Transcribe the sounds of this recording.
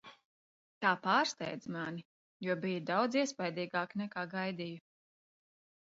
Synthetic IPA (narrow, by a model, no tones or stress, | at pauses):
t̪aːpaːɾst̪ɛ̰jd̪zmani | juɔbijud̪awd̪ziɛspajd̪iːɡaːknɛkaːɡajd̪iju